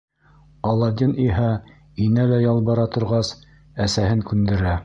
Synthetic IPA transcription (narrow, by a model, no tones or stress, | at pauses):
ɑlˠːɑd̪ʲiniɦæ | inælæjɑlˠbɑɾɑt̪ŏɾʁɑs | æsæhɘŋkʉnd̪ɘ̆ɾæ